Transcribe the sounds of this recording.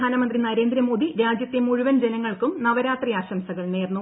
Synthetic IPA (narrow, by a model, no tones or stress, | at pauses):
aːnɐmɐnd̪rinɐɾe̞ːnd̪ɾɐmo̞ːd̪iɾaːd͡ʑjɐt̪ːjemuɻuʋɐnd͡ʑenɐŋːɐɭkumnɐʋɐɾaːt̪rijaːɕɐmsɐɣɐɭneːrnːu